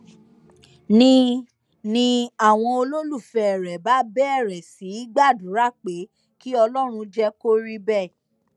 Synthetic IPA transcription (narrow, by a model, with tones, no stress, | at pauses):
nĩ˦ | nĩ˧a˦˨w̃ɔ̃˧o˧lo˦lu˦˨fɛ˧ɛ˨ɾɛ˨ba˨˦bɛ˦ɛ˦˨ɾɛ˨si˨˦i˦ɡ͡ba˦˨dũ˨˦ɾa˦˨k͡pe˨˦ | ki˦ɔ˧lɔ˦ɾ̃ũ˧d͡ʒɛ˦ko˦ɾi˦bɛ˦˨